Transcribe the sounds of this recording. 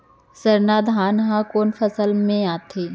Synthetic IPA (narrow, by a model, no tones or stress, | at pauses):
səɾnaːd̪ʱaːnɦãkoːnfʰəsəlmẽaːt̪ʰeː